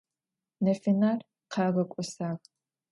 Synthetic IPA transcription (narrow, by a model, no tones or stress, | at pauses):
nɐfinaːr | qʰɑːʁɐkʷʼʊsaːk